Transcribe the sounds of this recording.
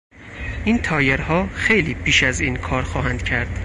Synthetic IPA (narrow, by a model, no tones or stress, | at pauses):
ʔiːnt̪ʰɒːjeɾhɒːxejliːpʰiːʃæziːnkʰɒːɾxɒːɦænd̪̥cʰæɾd̪̥